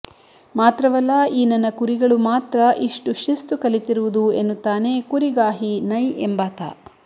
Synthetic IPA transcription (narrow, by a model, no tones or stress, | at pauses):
maːt̪ɾɐʋɐlːaːiːnɐnːɐkuɾiɡɐɭumaːt̪ɾɐʔiʂʈuʃist̪ukɐlit̪iɾuʋud̪uenːut̪ːaːneːkuɾiɡaːɦinɐjembaːt̪a̰ː